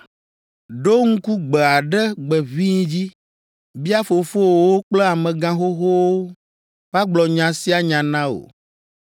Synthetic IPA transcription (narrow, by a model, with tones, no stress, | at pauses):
ɖo˦ŋ̩˦ku˦ɡ͡bɛ˨a˨ɖɛ˦ɡ͡bɛ˨vi˦ɲ̃˦d͡ʑi˦ | bi˦a˦fo˨fo˦wwo˦k͡plɛ˦a˨mɛ̃˨ɡã˦xo˦xo˦wo˦ | ɸa˦ɡ͡blɔ˨ɲã˨si˦a˨ɲã˨nã˦o̰˨